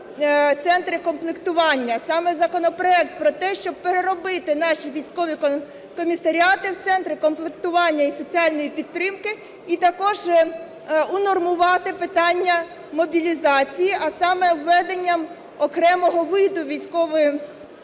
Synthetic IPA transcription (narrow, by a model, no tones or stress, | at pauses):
t̪sɛnt̪ɾɪkɔmplˠɪkt̪ʊʋɑnʲːɐsɑmɛzɐkɔnɔpɾɔɛk̚t̪̚pɾɔt̪ɛʃt͡ʃɔb̚peɾeɾɔbɪt̪ɪnɑʃʲiʋʲijsʲkɔʋʲi | kɔmʲisɐɾʲiɑt̪ɪwt̪sɛnt̪ɾɪkɔmplˠɪkt̪ʊʋɑnʲːɐisɔt͡sʲiɑlʲnɔjipʲidt̪t̪ːɾɪmkɪ | it̪ɐkɔʒ | unɔrmʊʋɑt̪ɪpɪt̪ɑnʲːɐ | mɔbʲilʲizɑt͡sʲijiʔɐsɑmɛwːɛd̪enʲːɐm | ɔkɾɛmɔɦɔʋɪd̪ʊʋʲijsʲkɔʋɔjʊ